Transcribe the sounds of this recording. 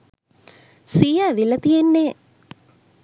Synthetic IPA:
sijaːʋilət̪ijenːe

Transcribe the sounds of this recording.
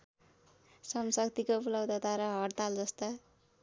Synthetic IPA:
sʌmsʌkt̪ikobulʌwd̪ʌt̪aɾʌɦʌrt̪ald͡zʌst̪a

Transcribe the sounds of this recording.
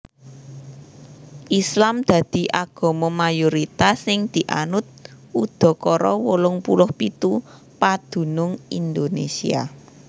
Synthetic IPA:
ʔislamd̪̥ä̤d̪̥i̤ʔaɡ̥ɔ̤mɔmajoɾit̪asɪŋd̪̥i̤ʔa̰nʊt̪̚ud̪̥ɔ̤kɔɾɔwolʊŋpulʊhpit̪u | pad̪̥ṳnʊŋind̪onesḭa̰

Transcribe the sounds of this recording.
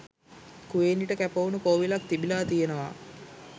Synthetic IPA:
kuʋeːniʈəkæpounukoːʋilak̚t̪ibilaːt̪ijenəʋa̰

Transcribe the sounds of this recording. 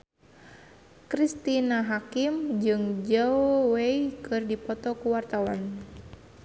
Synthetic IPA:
kɾist̪inaɦakimd͡ʒɨŋd͡ʒaoweikɨrdipɔt̪ɔkuwart̪awan

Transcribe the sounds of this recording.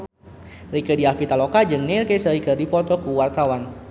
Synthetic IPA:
rikədiapit̪alokad͡ʒɨŋnirkesəɾikərdipɔt̪ɔkuwart̪awan

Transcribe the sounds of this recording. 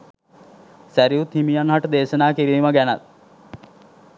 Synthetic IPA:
sæɾijut̪himijanɦaʈəd̪eːʃənaːkiɾiːməɡænɐ̰t̪̚

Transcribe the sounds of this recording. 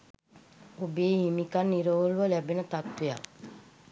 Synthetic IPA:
obeːɦimikanːiɾoɦoluʋəlæbenət̪at̪ʋeja̰

